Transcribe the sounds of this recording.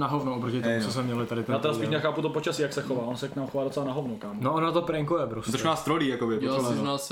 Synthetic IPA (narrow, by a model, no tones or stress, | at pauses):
naɦovnuʔopɾocɪt̪omut͡sos̬mɛmɲɛlɪt̪adɪt̪ɛjaːt̪ɛɾasiːʃɲaxaːput̪opot͡ʃasiːjaksɛxovaːonsɛknaːmuxovaːdot͡sɛlanaɦovnukaːmnoʔonat̪opɾɛŋkujɛbɾust̪oʃkmaːst̪ɾoliːjakobɪɛpoɛnas